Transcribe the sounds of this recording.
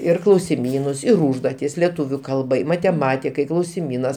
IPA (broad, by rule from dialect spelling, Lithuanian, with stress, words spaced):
ɪr klˠɐʊsʲɪˈmʲiːnʊs ɪr ˈuːʒduɔtʲɪs lʲɛˈtuːʋʲʊ ˈkɐlˠbɐɪ mɐtʲɛˈmɑːtʲɪkɐɪ klˠɐʊsʲɪˈmʲiːnɐs